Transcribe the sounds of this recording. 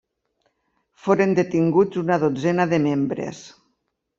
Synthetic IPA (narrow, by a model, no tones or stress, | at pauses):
foɾend̪et̪iŋɡud͡zunaðod͡zenaðəmembɾḛs